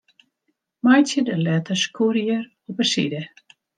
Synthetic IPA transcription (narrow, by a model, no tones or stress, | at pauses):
majtjədəlɛtəskʰuɾjəɾ | ɔpəsḭdə